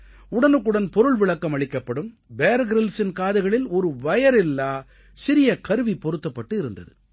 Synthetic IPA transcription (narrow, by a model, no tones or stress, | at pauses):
ʊɽɐnɯkːɯɽɐnpɔɾɯɭʋɪɭɐkːɐmɐɭɪkːɐpːɐɽɯm | beːɾɡɾɪlsɪnkaːðɯɣɐɭɪlɔɾɯʋɐjɐɾɪlːaː | sɪɾɪjɐkɐɾɯʋipɔɾɯt̪ːɐpːɐʈːɯɪɾɯnd̪ɐ̰ðɯ